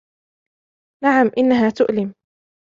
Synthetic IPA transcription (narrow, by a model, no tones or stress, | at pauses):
naʕamʔɪnːaɦaːt̪ʊʔlɪm